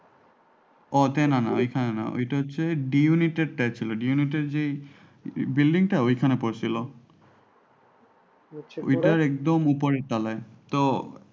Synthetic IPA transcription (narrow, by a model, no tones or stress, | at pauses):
ɔtɛnana̰ojkʰanɛna̰o̰jtaɦosɛɖijunited̚tajt͡ʃʰilɔɖiuniteɹze | bildiŋtaojkʰanɛpoɹsilɔ | o̰jtaɹɛk̚dɔmupɔɹɛtalajt̪ɔ